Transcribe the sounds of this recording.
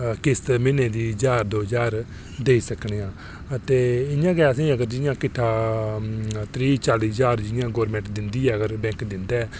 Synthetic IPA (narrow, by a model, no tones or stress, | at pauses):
kɪst̪mɪnẽːd̪iːd͡ʒaːɾd̪oːd͡ʒaːɾ | d̪eːiːsəkɳeːãː | ət̪eːɪjãːkɛːəsĩːəɡəɾd͡ʒɪjãːkɪʈʰːaː | t̪ɾiːt͡ʃaːliːd͡ʒaːɾd͡ʒɪjãːɡoːɾmɛ̃ɳʈd̪ɪnd̪iːɛːəɡəɾbɛ̃ːŋkd̪ɪnd̪aːɛː